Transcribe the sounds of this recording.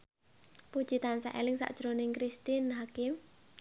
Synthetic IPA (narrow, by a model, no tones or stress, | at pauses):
pud̥ʒ̥i̤t̪ansa̰ʔḛlɪŋsa̰ʔd̥ʒ̥ɾonɪŋkɾist̪inɦakɪm